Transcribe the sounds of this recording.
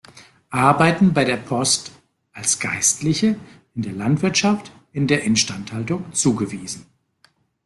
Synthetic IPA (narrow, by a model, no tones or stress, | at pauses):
ʔaɐbaɪtn̩baɪɾeːɐpʰɔst | ʔalsɡ̥a̰ɪstʰlɪçə | ɪndeːɐlantv̥ɪɐtʃaft | ɪndeːɐʔɪnʃtanthaltʊŋt͡suːɡəviːzn̩